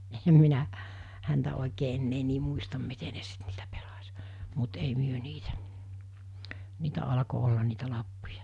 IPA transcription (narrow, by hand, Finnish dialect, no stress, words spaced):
ehem minæ hæntæ oˑikeː enːeː niː muistɑm mite ne sit niːtæ pelɑs mut ei myø niːtæ niːtæ ɑlɑko olːɑn niːtæ lɑpːujɑ